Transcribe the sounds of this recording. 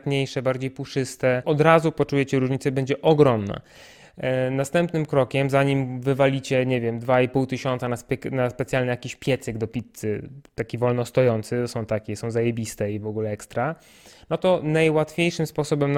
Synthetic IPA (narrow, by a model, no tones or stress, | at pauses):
t̪ɲejʂɛbaɾd͡ʑejpuʂɘst̪ɛɔd̪ɾazupɔt͡ʂujɛt͡ɕɛɾuʐɲit̪sɛbɛɲd͡ʑɛʔɔɡɾɔmna̰ | nast̪ɛmpnɘmkɾɔkʲɛmzaɲimvɘvalʲit͡ɕɛɲevʲjɛmd̪vaipuwt̪ɘɕɔnt̪sanaspnaspɛt̪sʲjalnɛjakʲiɕpʲjɛt̪sɛɡd̪ɔpʲit̪sɘt̪akʲivɔlnɔst̪ɔjɔnt̪sɘsɔ̃w̃t̪akʲɛsɔ̃w̃zajebʲist̪ɛivɔɡulɛɛkst̪ɾa | nɔt̪ɔnajwat̪fʲjejʂɘmspɔsɔbɛmn